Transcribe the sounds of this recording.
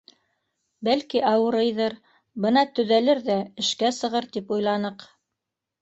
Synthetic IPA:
bælkiɑwɤ̆ɾɤjðɤɾ | bɤnɑt̪ɵ̆ðælɘɾðæɘ̆ʃkæsɤ̆ʁɤɾt̪ipujlˠɑnɤq

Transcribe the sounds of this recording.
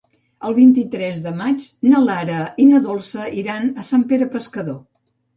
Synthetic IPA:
əlˠβint̪it̪ɾɛzðəmat͡ʃnəlaɾəinəðolˠsəʔiɾanəsampeɾəpəskəðo

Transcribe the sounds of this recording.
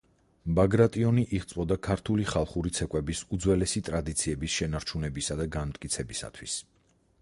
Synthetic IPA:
baɡɾat̪ʼiɔniʔiʁt̪sʼvɔd̪akʰaɾt̪ʰuliχalˠχuɾit̪sʰɛkʼwɛbisud̪zwɛlɛsit̪ʼɾad̪it̪sʰiɛbisʃɛnaɾt͡ʃʰunɛbisad̪aɡanmt̪ʼkʼit̪sʰɛbisa̰t̪ʰwis

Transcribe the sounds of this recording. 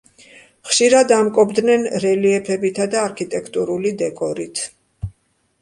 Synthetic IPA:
χʃiɾad̪amkʼɔbd̪nɛnɾɛliɛpʰɛbit̪ʰad̪aːɾkʰit̪ʼɛkʰt̪ʼuɾulid̪ɛkʼɔɾit̪ʰ

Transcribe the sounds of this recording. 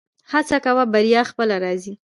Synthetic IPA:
hat͡sakawabaɾjɑxpəlaɾɑzi

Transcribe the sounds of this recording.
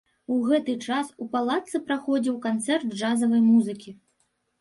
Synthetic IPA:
uɣɛt̪ɨt͡ʂasupalˠat̪sɨpɾaxɔd͡zʲiwkant̪sɛrd̪ʐazɐvɐjmuzɨkʲi

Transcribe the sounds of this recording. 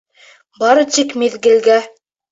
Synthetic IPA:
bɑɾɤt̪ikmeðɡɘ̆lɡæ

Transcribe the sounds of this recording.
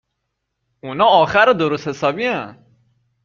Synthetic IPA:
unɒːɒːxæɾɔd̪oɾost̪he̞sɒːbiæn

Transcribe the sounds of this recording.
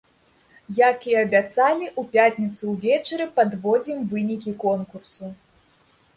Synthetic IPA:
jakiɐbʲat̪salʲiʔupʲat̪ʲnʲit̪suwvʲɛt͡ʂɾʲɨpad̪vɔd͡zʲimvɨnʲikʲikɔnkursu

